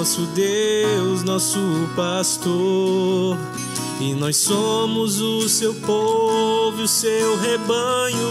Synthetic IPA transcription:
sʊd̪ewznɔsʊpast̪o | ɾ | ɪnɔjssomʊzʊsewpovʊʊsewɦebɐɲʊ

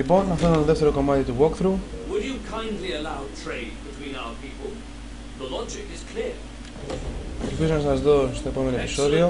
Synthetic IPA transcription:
lipo̞nːɐfeut̪oðe̞ft̪e̞ɾo̞ko̞mɐt̪it̪uwokθɾuwəd͡ʒəkʰãɪ̃ndˡliəlaʊtʰɹ̥eɪd̚bɪtʰw̥ĩnaʊə˞pʰipəlˠ | ðəlɒd͡ʒɪkɪz̥kʰl̥ɪə | lfizonɐsnszðo̞st̪o̞e̞po̞me̞noepiso̞ðio̞

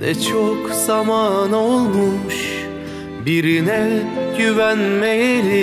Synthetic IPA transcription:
nɛ̰t͡ʃʰokz̥amaːnolˠmuʃ | biɾinɛjyvænmejeli

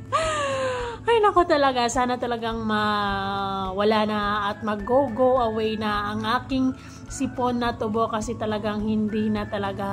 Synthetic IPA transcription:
ʔɐjonɐko̞t̪ɐlɐɡasaːnɐt̪ɐlɐɡaŋmɐ | wɐlaːnɐːt̪̚mɐɡoɡowʔɐwɛjnɐʔːŋʔaːkɪŋ | sɪponːɐt̪ʊbokɐsɛt̪ɐlɐɡaŋhɪnd̪iːnɐt̪ɐlɐɡa

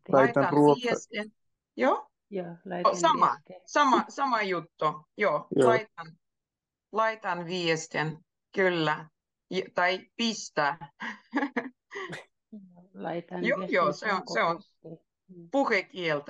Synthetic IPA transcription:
lɑit̪ɑnruoiest̪en | joː | sɑmɑ̰sɑmɑsɑmɑjut̪ːujoːjlɑit̪ɑn | lɑit̪ɑnʋiest̪en | kylːæ | jt̪ɑipist̪æː | joːjoːseonseon | puhekielt̪

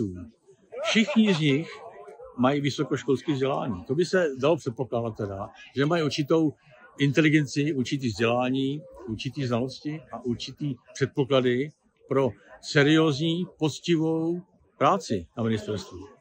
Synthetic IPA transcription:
uː | fʃɪxɲɪzɲɪxmajivɪso̞ko̞ʃko̞lskiːzɟɛla̰ːɲiːt̪o̞bɪsɛdalo̞pr̥ɛt̪̚po̞klaːdat̪̚ːɛdaʒɛmajiuɾt͡ʃɪt̪o̞w | ʔɪnt̪ɛlɪɡɛnt͡sɪʔuɾt͡ʃɪt̪̬iːvzɟɛlaːɲiːʔuɾt͡ʃɪt̪iːznalo̞scɪʔaʔuɾt͡ʃɪt̪iːpr̥ɛt̪̚po̞kladɪ | pɾo̞sɛɾɪoːzɲiːpo̞t͡scɪvo̞w | pɾaːt͡sɪnamɪnɪst̪ɛɾst̪vu

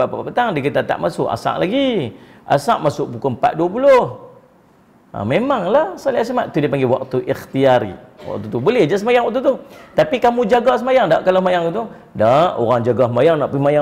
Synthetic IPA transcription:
bapapapət̪aŋdək̬it̪at̪a̰ʔmasʊʔa̰sa̰ʔlaɡi | a̰sa̰ʔmasʊʔbukʊmpa̰t̪̚duap̬ulʊh | a̰memaŋlasaliasamaʔt̪ːudipaŋɡewa̰k̚t̪uʔixt̪iaɾḭwa̰ʔ̚t̪ut̪ubulɛhd͡ʒasəmajaŋwaʔ̚kt̪ut̪ut̪apikamũd͡ʒaɡas̬əmajaŋda̰ʔkalasmajaŋut̪u | daʔo̰ɾaŋd͡ʒaɡasəmajaŋnaʔpimaja

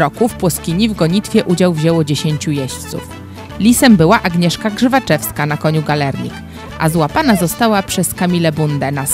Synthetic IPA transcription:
ɾɔkufpwɔskʲiɲivɡɔɲit̪fʲjɛʔud͡ʑawvʑɛwɔd͡ʑeɕeɲt͡ɕujɛɕt̪sṵf | lʲisɛmbɘwaʔaɡɲɛʂkaɡʐɘvat͡ʂɛfskanakɔɲuɡalɛɾɲḭk | ʔa̰zwapanazɔst̪awapʂɛskamʲilɛbund̪ɛnas

